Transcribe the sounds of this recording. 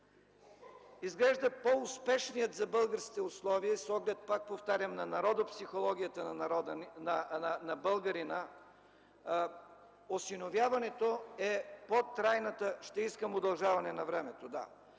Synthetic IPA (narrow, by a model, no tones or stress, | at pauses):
izɡlɛʒd̪əpoʊspɛʃnijət̪zɐbɤlˠɡəɾskʲi̥t̪ɛʊslˠɔviəsɔɡlɛt̪̚pak̚poft̪aɾʲəmnɐnɐɾɔd̪opsixolˠɔɡ̟ʲijət̪ənnnɐbɤlˠɡɐɾinə | osinovjavɐnɛt̪oɛpot̪ɾajnət̪əʃt̪ɛiskəmod̪ɐlˠʒavɐnɛnɐvɾɛmɛt̪od̪a̰